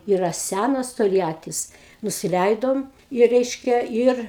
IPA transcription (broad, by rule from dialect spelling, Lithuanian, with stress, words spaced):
ˈiːrɐ ˈsʲænɐs toːlʲˈjæːtʲɪs nʊsʲɪˈlʲɛɪdoːm ɪ ˈrʲɛɪʃʲkʲɛ ˈɪr